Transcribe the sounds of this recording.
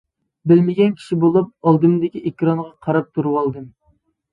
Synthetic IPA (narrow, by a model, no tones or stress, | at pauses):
bɪlmɪɡʲɛnkʲʰi̥ʃibolˠup̚ɑlˠd̪ɨmd̪ɪkʲiʔekʲɾɑɴʁɑqʰɑɾɑp̚t̪ʰuɾuwɑlˠd̪ɨm